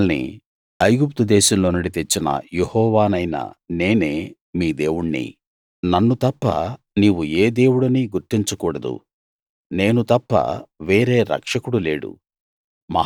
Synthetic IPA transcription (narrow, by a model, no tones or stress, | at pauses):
lnḭ | ɐjɡup̚t̪ud̪ɛːʃɐmloːnuɽit̪et͡ʃːinɐ̰jehɔːʋaːnɐjnɐ̰ne̞ːne̞ː | miːd̪e̞ːwuɳːḭ | nɐnːut̪ɐpːɐ̰ | niːʋueːd̪e̞ːwuɽɐniɡuɾt̪iɲt͡ʃukuːɽɐd̪ṵ | ne̞ːnut̪ɐpːɐ̰ʋe̞ːɾe̞ːɾɐ̰kʂɐkuɽuleːɽṵ | mɐ̰